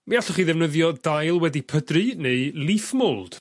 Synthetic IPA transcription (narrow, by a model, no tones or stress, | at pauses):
miaɬɔχiːðɛvnəðjɔdajlˠwɛdipʰədrɨneɨlˠifmʊlˠd̥